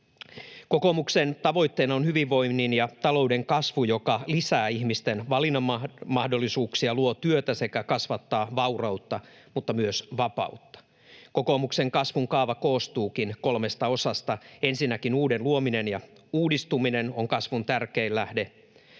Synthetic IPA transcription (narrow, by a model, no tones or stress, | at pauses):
ko̞komukse̞nt̪ɑʋo̞jt̪ːe̞ːnɑonhyʋiʋːo̞jnːinjɑt̪ɑlo̞ude̞ŋkɑsʋujo̞kɑlisæːiçmist̪enʋɑlinːɑmmɑhdo̞lːisuːksiɑluot̪yøt̪æse̞kækɑsʋɑt̪ːɑːʋɑurɑwt̪ːɑ | mut̪ːɑmyøsʋɑpɑ̰ut̪ːɑ̥ | ko̞ko̞mukse̞ŋkɑsʋuŋkɑːʋɑko̞ːst̪uːkinko̞lme̞st̪ɑo̞sɑst̪ɑe̞nsinːækinuːde̞nluomine̞njɑ | uːdist̪umine̞no̞ŋkɑsʋunt̪ærke̞ilːæhde̞